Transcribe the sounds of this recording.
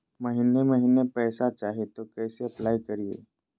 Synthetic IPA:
məɦineməɦinepəjsat͡ɕaɦet̪okəjseəplajkəɾijḛ

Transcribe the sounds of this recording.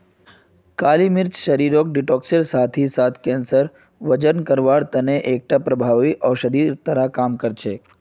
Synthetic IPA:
kalimɪɾt͡ʃʃəɾiɾok̚ɖiʈokseɾsat̪ʰisat̪ʰkɛ̃nsəɾ | ʋəd͡ʒənkəɾʋaɽt̪əneʔek̚ʈ̪apɾəbʱaʋiʔəʋʃəd̪it̪əɾakamkəɾt͡ʃʰe

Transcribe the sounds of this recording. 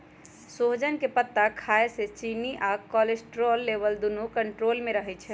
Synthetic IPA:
soɦd͡ʒənkepət̪ːakʰaeset͡ʃiniʔakɔlesʈɾolːebəld̪unukəɳʈɾolmeɾəɦɛt͡ʃʰɛ

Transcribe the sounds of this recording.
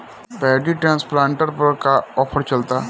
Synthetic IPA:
pɛːɖiʈɾãːnsplãːɳʈəɾpəɾkaɔːpʰəɾt͡ʃɐlt̪aː

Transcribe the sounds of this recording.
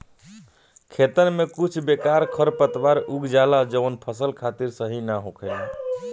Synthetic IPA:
kʰet̪ənmekut͡ʃʰbekaɾkʰəɾpət̪ʋaɾuɡd͡ʒalad͡ʒənpʰəsəlkʰat̪iɾsəɦinaɦokʰɛl

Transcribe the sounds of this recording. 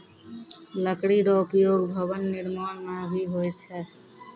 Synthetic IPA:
ləkɽiɾɔupjoːɡbʱəbənːiɾmaːnmabʱiɦojt͡ʃʰɛ

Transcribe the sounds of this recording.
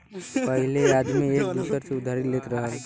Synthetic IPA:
pəɦilead̪miek̚d̪usəɾseud̪ʱaɾilːet̪ɾəɦəl

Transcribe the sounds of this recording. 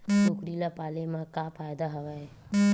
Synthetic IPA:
sʊkɾilapaːlemãkafʰaːjd̪aɦɐʋaɦe

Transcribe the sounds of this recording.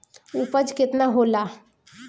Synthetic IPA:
ʊpəd͡ʒkɪt̪naɦoːlaː

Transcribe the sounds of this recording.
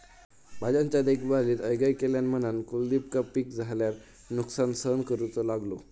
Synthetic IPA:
bʱad͡ʑãɲt͡ɕjad̪ekʰbaliːt̪əjɡajkeljanmənankuld̪ip̚kəpːikd͡zʱaljaɾ | nuksansənkəɾut͡sɔlaɡlo

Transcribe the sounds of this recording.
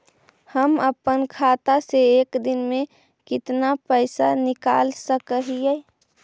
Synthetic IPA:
həməpənkʰaːt̪aseeːkd̪ɪnmẽ | kɪt̪napəɪsanɪka̰ːlsəkəɦiɛ

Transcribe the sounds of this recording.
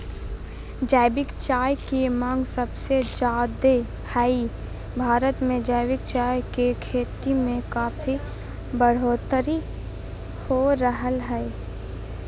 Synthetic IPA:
d͡ʒaːɪbɪkt͡ʃaːjkemãːŋɡsəbsed͡ʒaːd̪e | hai | bʱaːɾət̪mẽd͡ʒaːɪbɪkt͡ʃaːjkekʰeːt̪imẽkaːpʰi | bəɽ̤oːt̪əɾi | hoɾəɦəlɦɛe

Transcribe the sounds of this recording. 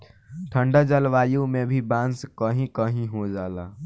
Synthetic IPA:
ʈʰə̃ɳɖad͡ʒəlʋaːjũmẽbʱibãːnskəɦĩkəɦĩɦod͡ʒaːlaː

